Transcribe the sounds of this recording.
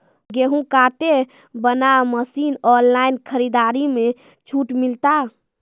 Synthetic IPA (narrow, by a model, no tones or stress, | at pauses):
ɡeɦũkaʈe | bənaməsinɔnlainkʰəɾid̪aɾime | t͡ʃʰuʈmilt̪a